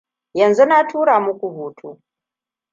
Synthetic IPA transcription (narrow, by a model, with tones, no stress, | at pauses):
jɐ˨nzu˦na˦tʰuː˦ɽaː˨mʊ˦kʷu˨huː˨tʰuː˦